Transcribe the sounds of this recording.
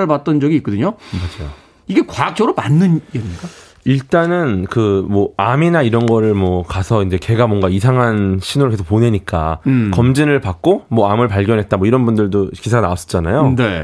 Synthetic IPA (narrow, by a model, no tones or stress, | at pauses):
ɯɭpat̚t͈ʌnd͡ʑʌɡiːt̚k͈ʌdɯɲomad͡ʑajo | iɡe̞kwaak̚t͡ɕ͈ʌɡɯɾomanːɯnjʌɾiɲik͈a | iɭt͈anɯnkɯmwʌaminaiɾʌnɡʌɾɯɭmwʌkasʰʌind͡ʑe̞ke̞ɡamwʌŋɡaisʰaŋɦanɕʰinoɾɭkesʰo̥k̚p͈oneɲik͈a̰kʌmd͡ʑinɯɭpak̚k͈omwʌamɯɭpaɭɡjʌnɦet̚t͈amʌiɾʌnbundɯɭdokisʰaɡanaas͈ʌ̥t͡ɕ͈ana̰jone